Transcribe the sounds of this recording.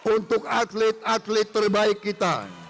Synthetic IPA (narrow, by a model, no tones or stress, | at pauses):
unt̪ʊk̚at̪lɪt̪̚at̪lɪt̪ːərbaɪkːit̪a̰